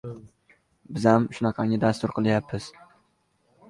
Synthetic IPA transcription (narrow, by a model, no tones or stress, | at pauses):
bɪzamʃʊnɑqʰɑŋʲɪd̪ast̪ʊɾqʰɨlˠajapʰːɪz̥